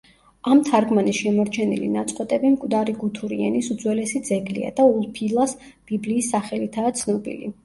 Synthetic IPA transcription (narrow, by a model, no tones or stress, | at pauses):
amt̪ʰaɾɡmanisʃɛmɔɾt͡ʃʰɛnḭlḭnat̪sʼqʼwɛt̪ʼɛbimkʼwd̪aɾiɡut̪ʰuɾiɛ̰nisud̪zwɛlɛsid̪zɛɡlḭa̰d̪̥aulˠpʰilˠas | b̥ibliːsːaχɛlit̪ʰaːt̪sʰnɔbḭlḭ